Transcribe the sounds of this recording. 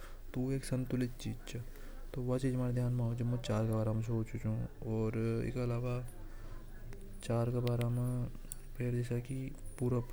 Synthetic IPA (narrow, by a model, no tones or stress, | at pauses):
t̪oeːksɐ̃nt̪ʊlɪt̪̚t͡ʃiːd͡ʒt͡ʃɐ | t̪oʋɐt͡ʃiːd͡ʒmaːɾed̪ʱjaːnmãːod͡ʒɐmɐ̃t͡ʃaːɾkɐbaːɾaːmɐ̃s̬oot͡ʃut͡ʃũɔːɾɪ̰kɐlaːʋa | t͡ʃaːɾkabaːɾaːmã | pʰeɾd͡ʒɛːsakipuːɾəp